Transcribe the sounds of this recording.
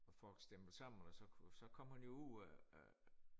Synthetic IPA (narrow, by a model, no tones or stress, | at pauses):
ɒfɒ̽l̰ɡ̥sd̥emb̥l̩sɑ̈m̰n̩ɒsɒ̽sɒ̽kʰɒ̽m̰hænjo̝uð̰ˠ